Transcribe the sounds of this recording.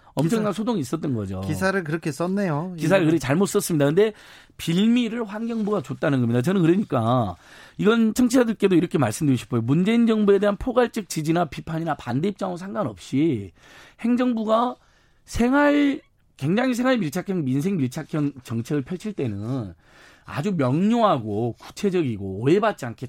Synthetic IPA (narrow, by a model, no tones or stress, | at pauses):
ʌmt͡ɕʰʌŋŋnansʰodoŋiːs̬͈ʌt͈ʌnɡʌd͡ʑo̰isʰaɾɯɭkɯɾʌkʰes͈ʌnːejokis̬ʰaɾɯɭkɯɾʌkʰet͡ɕaɭmot̚s͈ʌs͈ɯmɲidakɯnde̞ | piɭmiɾɯɭɸwanɡjʌŋbuɡat͡ɕot͈anɯnɡʌmɲidat͡ɕʌnɯnkɯɾɯɲik͈a | iɡʌnt͡ɕʰʌŋt͡ɕʰiadɯɭk͈e̞doiɾʌkʰe̞maɭs͈ɯmdeɕʰi̥pʰojomund͡ʑe̞ind͡ʑʌŋbue̞de̞ɦanpʰoɡaɭt͡ɕ͈ʌk̚t͡ɕ͈id͡ʑinapipʰaɲinapande̞ip̚t͡ɕ͈aŋosʰaŋɡanʌp̚ɕ͈i | he̞ŋd͡ʑʌŋbuɡa | sʰe̞ŋɦaɭ | kwe̞ŋd͡ʑaŋis̬ʰe̞ŋwaɭmiɭt͡ɕʰakʰjʌŋmins̬ʰe̞ŋmiɭt͡ɕʰakʰjʌŋt͡ɕʌŋt͡ɕʰe̞ɡɯɭpʰjʌɭt͡ɕʰiɭt͈e̞nɯn | a̰d͡ʑumjʌŋɲoɦaɡoku̥t͡ɕʰe̞d͡ʑʌɡiɡoːebat̚t͡ɕ͈iankʰe̞